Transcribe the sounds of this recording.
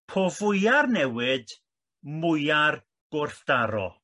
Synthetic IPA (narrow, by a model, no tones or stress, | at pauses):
pʰovʊjarnɛwɪd | mʊjar | ɡ̥ʊrθd̥aɾɔ̰